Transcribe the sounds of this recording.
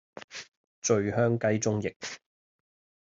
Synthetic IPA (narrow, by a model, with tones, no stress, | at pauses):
t͡ʃɵ˨˧ɥhœː˥ŋkɐ˥jt͡sʊ˥ŋjɪ˨k̚